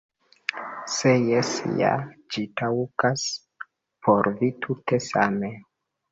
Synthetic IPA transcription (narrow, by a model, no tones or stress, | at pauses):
sejesja̰d͡ʒitawkas | pʰoɾvitʰute̞sa̰me